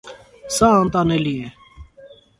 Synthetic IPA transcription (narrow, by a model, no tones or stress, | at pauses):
sãːãːnt̪ãːneːliːeː